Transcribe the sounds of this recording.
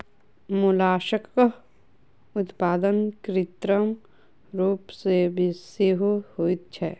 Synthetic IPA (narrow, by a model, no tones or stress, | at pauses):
mulaːʃək | ʊt̪paːd̪ənkɾɪt̪ɾəm | ɾuːpsebʱiseɦohoit̪̚t͡ʃʰɛː